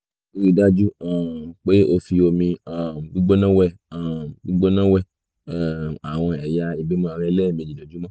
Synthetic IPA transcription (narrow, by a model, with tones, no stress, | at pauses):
o˧ɾi˧da˦d͡ʒu˦a˨k͡pe˦o˧fi˧o˧mĩ˧a˨ɡ͡bu˦ɡ͡bo˦nã˦wɛ˦˨ | a˨ɡ͡bu˦ɡ͡bo˦nã˦wɛ˦˨ | a˨w̃ɔ̃˧ɛ˨ja˧i˧bi˦mãː˦˧ɾ̃ɛ̃˦lɛː˦˨mĩ˧e˧d͡ʒi˨dɛ˨d͡ʒu˦mɔ̃˦